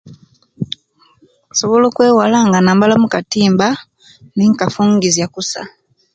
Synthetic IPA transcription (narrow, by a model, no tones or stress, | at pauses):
soβo̞lo̞ːkwe̞ːwalaːŋɡanaːmbalamukatiːmba | niŋkafuːŋɡizjakusa̰